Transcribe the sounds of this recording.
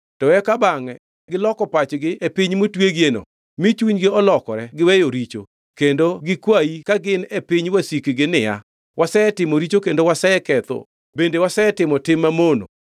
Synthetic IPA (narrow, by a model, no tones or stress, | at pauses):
tɔɛkabaŋɛ | ɡɪlɔkɔpat͡ʃɡɪʔepɪɲmotweɡjeno̰ | mit͡ʃuɲɡɪɔlɔkɔɾɛɡɪwɛjoɾit͡ʃo̰ | kendoɡɪkwajikaɡɪnepiɲwasikiɡɪnɪja | wʔasɛɛtɪmoɾit͡ʃokendowasɛɛkɛt̪ɔ̰ | bendewasɛɛtɪmɔtɪmːamono̰